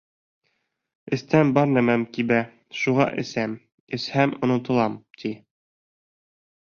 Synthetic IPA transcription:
ɘ̆st̪æmbɑɾnæmæmkibæ | ʃuʁɑ̰ʔɘ̆sæm | ɘ̆shæmŏnɤ̆t̪ɤ̆lˠɑmt̪ʰi

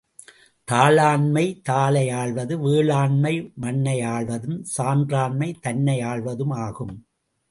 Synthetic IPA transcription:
t̪aːlaːɳmɐɪt̪aːlɐjaːɭʋɐðɯʋeːɭaːɳmɐɪmɐnːɐjaːɭʋɐðɯmsaːndraːɳmɐɪt̪ɐnːɐjaːɭʋɐðɯmaːɣɯm

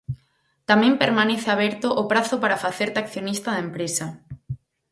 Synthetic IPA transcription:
t̪amɛ̃mpeɾmaneθɪaβɛɾt̪ʊʔːpɾaθʊpaɾafaθeɾt̪akθjonist̪ɐðɐempɾesɐ

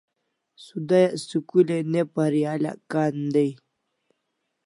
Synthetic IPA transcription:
sud̪ajasukulenepaɾijaːla̰kaːnd̪aj

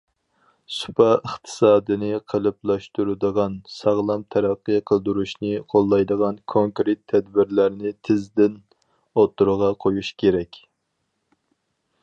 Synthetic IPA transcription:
su̥pʰɑəχt̪ʰɨ̥sɑːd̪ɨnɨqʰəlˠɨplˠɑʃt̪uɾɨd̪əʁɑnsɑʁlˠɑmt̪ʰɛɾæqːəjqʰəlˠd̪uɾuʃnɨɪqʰolˠːɑjd̪əʁɑnkʰoŋkɾɪt̪ʰːɛd̪bɪɾlæɾnɪt̪ʰɪzd̪ɪn | ot̪ʰːuɾʊʁɑqʰojuʃkʲeɾɛkʲ

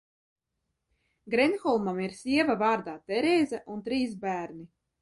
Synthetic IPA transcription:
ɡɾɛnxɔlˠmamiɾsʲiɛvavaːɾd̪aːt̪ɛɾɛːzɛʔunt̪ɾiːz̬bæːɾni

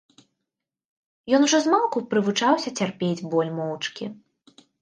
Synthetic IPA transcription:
jɔnuʐɔzmalˠkupɾɨvut͡ʂawsʲɐt͡sʲarpʲed͡zʲbɔlʲmɔwt͡ʂkʲḭ

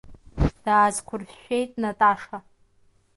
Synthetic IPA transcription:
d̥aːzkʷʰʊrfʃᶣe̞jtʼnatʼaʂa

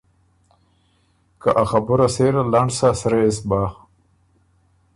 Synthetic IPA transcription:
kaʔaxabʊɾaseɾalaɳɖsasɾeːs̬baːx

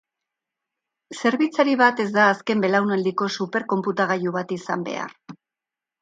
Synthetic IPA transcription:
se̞ɾβit͡saɾiβat̪e̞zd̪aːske̞mbe̞lawnald̪iko̞supe̞ɾko̞mput̪aɣ̞ajuβat̪isambe̞̰a̰r

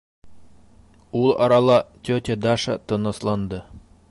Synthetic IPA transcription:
ulˠɑ̰ɾɑlˠɑt̪ʲɵt̪ʲed̪ɑʃa̰t̪ɤ̆nɤ̆slˠɑnd̪ɤ

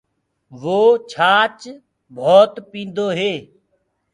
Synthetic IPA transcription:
ʋoːt͡ʃʰaːt͡ʃ | bʱoːt̪pĩːnd̪oːɦeː

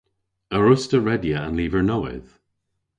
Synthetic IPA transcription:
əɹʊstəɹɛdjəə̃nliːvəɹnowɪ̰ð̥

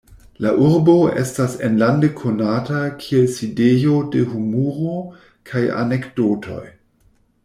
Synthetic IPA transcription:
laʔuɾbo̞ḛstasenlandekʰo̞natakʰielsidejo̞dehumuɾo | kʰaja̰nekdotʰo̞̰j

